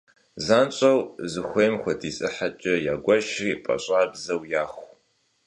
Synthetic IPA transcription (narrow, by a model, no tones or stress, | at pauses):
zaːnt͡ʃʼɐwzɨxʷejmxʷɐdʰiːsʼɨħat͡ʃʼɐjaːɡʷɐʃriːpʼɐ̰ɕʼaːbzɐwjaːxʷ